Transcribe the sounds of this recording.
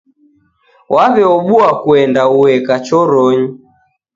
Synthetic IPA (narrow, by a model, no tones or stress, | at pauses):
wʔaβɛɔɓuakuɛndauɛkat͡ʃɔɾɔɲi